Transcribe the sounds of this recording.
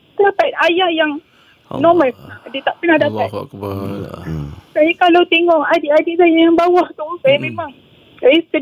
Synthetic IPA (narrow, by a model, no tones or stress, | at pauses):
t̪apat̪̚ajahjaŋ | nɔməladit̪aʔpənahdapat̪ | sajikalawt̪eŋɔŋadiʔadisajajaŋbawaht̪usajamẽmaŋ | sajisə